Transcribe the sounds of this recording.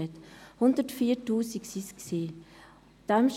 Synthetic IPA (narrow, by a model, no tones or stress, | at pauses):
ɛt̪hʊnd̪ətfiːtuːsiksisksi | d̥amʃ